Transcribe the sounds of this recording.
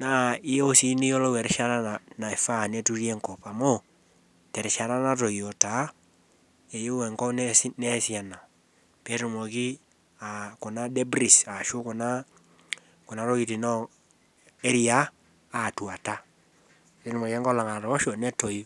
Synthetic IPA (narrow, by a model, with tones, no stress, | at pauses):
na˨˦ɪ˦jo˦si˦ni˦jo˦lɔ˦wɛ˨ɾʃa˦ɾa˦na˨na˨e˨fa˦˨ne˦tu˦ɾi˦ɛ˦ŋkɔ˨pa˨mo˦ | tɛ˨ɾɪ˨ʃa˨ɾa˦na˦to˨jo˨ta˨˦ | e˨jo˦wɛ˨ŋkɔ˦n˦nɛ˦si˦a˨na˨ | pe˦ɾu˨mo˨ki˦ | a˨ku˨na˦dɛ˦bɾi˨sa˨ʃu˦kɔ˨na˦ | ku˨na˦ɾɔ˦ki˨ti˨nɔ˦ | e˦ɾi˦aː˦˨ | twa˨ta˦ | e˦ɾmo˨kɛ˦ŋɡɔ˦la˨ŋa˨ɾɔ˨ɔ˦ʃɔ˨nɛ˦to˨j